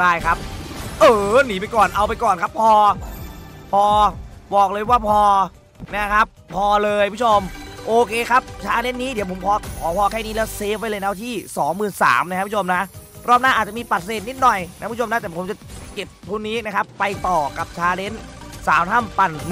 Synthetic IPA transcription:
daː˥˩jkʰa˦˥p̚ʔɤː˨˩niː˨˦p̬a˧jkɔː˨˩nʔa˧wpa˧jkɔː˨˩nkʰa˦˥pʰɔː˧ | pʰɔː˧bɔː˨˩k̚lɤː˧jwaː˥˩pʰɔː˧ | na˦˥kʰa˦˥p̚ʰːɔː˧lɤː˧jʰo˧mʔoː˧kʰeː˧kʰa˦˥p̚t͡ɕʰaː˧˥le˦˥nnːiː˦˥di˩˦wʰpʰo˩˦mpʰɔː˧kʰɔː˨˦pʰɔː˧kʰɛː˥˩niː˦˥lɛː˦˥wseː˦˥p̚ːa˧jlɤː˧jna˦˥t̪ʰiː˥˩sɔː˩˦ŋmɯː˨˩nsa̰ː˩˦mn˧˥kʰa˧˦˥pʰːt͡ɕʰo˧mna˦˥ʔ | ɾɔː˥˩p̚naː˥˩ʔ̪̚ːt͡ɕa˨miː˧pa˨t̪̚seː˨˩t̪̚ni˦˥t̪̚nɔ˨˩jna˥˧˦mna˦˥t̪ɛː˨˩pʰmt͡ɕa˨˩ke˨˩p̚t̪ʰu˧nːiː˦˥na˦˥kʰa˦˥pːa˧jt̪ɔː˨˩ka˨˩p̚t͡ɕʰaː˧ne˦˥nsaː˩˦mt̪ʰa˥˩mpa˧˩nm˩

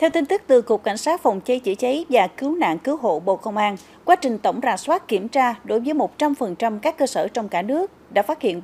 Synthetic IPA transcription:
t̪ʰɛ˧wt̪i˧ŋ̟t̪ɨ˦˥k̚t̪ɨ˨˩kək̚ːa˧˩jŋ̟saː˦˥t̚fa˨˩wŋ͡mt͡ɕə˨˦jt͡ɕḭ˧˩˥t͡ɕə˨˦jvaː˨˩kɨ˨˦wna̰ː˧˨ŋkɨ˨˦wɦo̰˧˨ɓo̰˧˨kə˧wŋ͡mʔaː˧n | kwaː˨˦t͡ɕï˨˩ŋ̟t̪ə˧˩wŋ͡mzaː˨˩swaː˦˥t̚ki˧˩əmt͡ɕaː˧ɗo˨˦jvəː˨˦jmo˨˩t̚t͡ɕa˧mfə˨˩nt͡ɕa˧mkaː˦˥kːəː˧səː˧˩t͡ɕɔ˧wŋ͡mkaː˧˩nɨ˦˥ək̚ɗa̰ː˧˥faː˦˥t̚hḭ˧˨ən

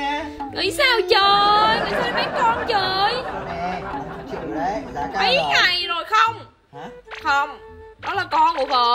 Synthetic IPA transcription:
ŋɨ̰˨˩˨jsaː˧wt͡ɕəː˨˩jɨ˨˩˨jt̪əː˨˧˩mə˨˦jkɔ˧nt͡ɕəː˨˩j | mə˨˦jŋa˨˩jzo˨˩jxə˧wŋ͡m | xə˧wŋ͡mɗɔ˨˦laː˨˩kɔ˧nɨ˨˧˩voː˨˩

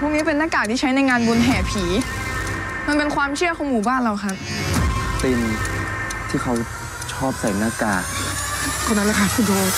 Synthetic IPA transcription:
pʰuː˥˩k̚ni˦˥pe˧nːaː˥˩kaː˨˩t̪ʰiː˥˩t͡ɕʰa˦˥jna˧jŋaː˧nbu˧nɦɛː˩˦pʰiː˩˦ | ma˧npe˧nkʰwaː˧mt͡ɕʰi˥˩əkʰɔ˨˦ŋmuː˨˩˦baː˥˩nla˧wkʰa˦˥p̚t̪e˧m | t̪ʰiː˥˩xʰa˦˥w | t͡ɕʰɔː˥˩p̚sa˨˩˦naː˥˩kaː˨˩k̚ | t̪ʰɔː˧˩na˦˥la˧˩kʰa˦˥su˧˩doː˧

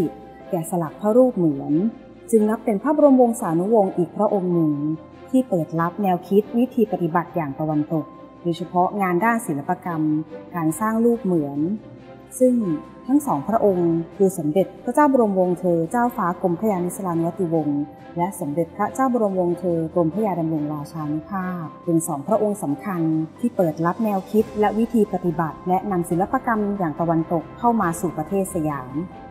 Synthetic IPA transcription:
i˨˩ | kɛː˨˩sa˧la˨˩k̚t̪ʰa˦˥˩ɾuː˥˩p̚mɯ˩˦ən | t͡ɕɯ˧ŋna˦˥pːe˧npʰɾaː˦˥˩bu˧ɾo˧mwo˧ŋsaː˩˦nu˦˥wo˧ŋʔiː˨˩k̚pʰɾa˦˥ʔo˧ŋnɯ˧˩ŋ | t̪ʰiː˥˩pɤː˨˩t̪̚la˦˥p̚nɛː˧wkʰi˦˥t̪̚wi˦˥t̪ʰiː˧pa˧˩t̪i˨˩ba˨˩t̪̚jaː˨˩ŋt̪a˧wa˧nt̪o˨˩k̚ | doː˧jt͡ɕʰa˧pʰɔ˦˥ŋaː˧ndaː˥˩nsi˩˦la˧pːa˧ka˧mkaː˧nsaː˥˩ŋluː˥˩p̚mɯ˨˩˦ən | sɯ˥˩ŋ | t̪ʰa˦˥ŋsɔː˩˦ŋpʰɾa˦˥ʔo˧ŋkʰɯː˧so˩˦mde˨˩t̪̚pʰɾa˦˥t͡ɕaː˥˩wboː˧ɾo˧mwo˧ŋt̪ʰɤː˧t͡ɕaː˥˩wfaː˦˥ko˧mpʰɾa˦˥jaː˧ni˦˥sa˧laː˧nu˧wa˦˥t̪i˧wo˧ŋ | lɛ˦˥ʔso˩˦mde˨˩t̪̚pʰɾa˦˥t͡ɕaː˥˩wboː˧ɾo˧mwo˧ŋt̪ʰɤː˧ko˧mpʰa˦˥jaː˧da˧mɾoː˧ŋɾaː˧t͡ɕʰaː˧nu˦˥pʰaː˥˩p̚pe˧nsɔː˩˦ŋpʰɾa˦˥ʔo˧ŋsa˩˦mkʰa˧nt̪ʰiː˥˩pɤː˨˩t̪̚la˦˥p̚nɛː˧wkʰi˦˥t̪̚lɛ˦˥ʔwi˦˥t̪ʰiː˧pa˧˩t̪i˨˩ba˨˩t̪̚lɛ˦˥ʔna˧msi˨˦la˦pːa˧ka˧mjaː˨˩ŋt̪a˧wa˧nt̪o˨˩kʰːa˥˩wmaː˧suː˨˩pɾa˧t̪ʰeː˥˩t̪̚sa˧jaː˩˦m

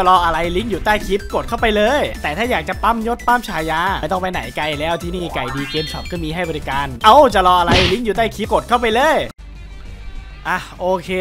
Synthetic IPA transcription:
t͡ɕa˨˩lɔː˧ʔa˧ɾa˧jli˦˥ŋjuː˨˩t̪aː˥˩jkʰi˦˥p̚ko˨˩t̪̚kʰa˥˩wpa˧jlɤː˧jt̪ɛː˨˩t̪ʰaː˥˩jaː˨˩k̚t͡ɕa˨˩pa˥˩mjo˦˥t̪̚pa˥˩mt͡ɕʰaː˧˩jaː˧˥˩t̪ɔ˥˩ŋpa˧jna̰˨˩˦jka˧jlɛː˦˥˩wt̪ʰi˥˩niː˥˩ka˨˩jdiː˧keː˧msa̰˨˩˦m̚kɔː˥˩miː˧ɦa˥˩jbɔː˧ɾi˦˥kaː˧nʔa˧˥wt͡ɕa˨˩lɔː˧ʔa˧ɾa˧jli˦˥˩ŋjuː˨˩t̪aː˥˩jkʰi˦˥p̚ko˨˩t̪̚kʰa˥˩wpa˧jlɤː˧˥j | ʔa˧˩ʔoː˧kʰeː˧

